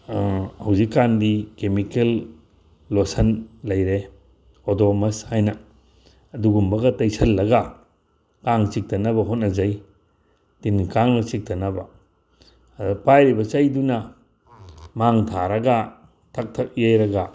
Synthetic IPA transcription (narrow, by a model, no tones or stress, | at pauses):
hɐwzikːandikemikelː | osɐnlɐjɾe | odomɐshajnɐː | duɡumbɐɡɐtɐjsʰɐlːɐɡɐ | kaŋt͡ʃik̚tɐnɐbɐɦot̚nɐzɐj | tinkaŋnɐt͡ʃik̚tʰɐnɐbɐ | pajɾibɐt͡ʃɐjdunɐ | maŋtʰaɾɐɡa | tʰɐk̚tʰɐk̚jejɾɐɡa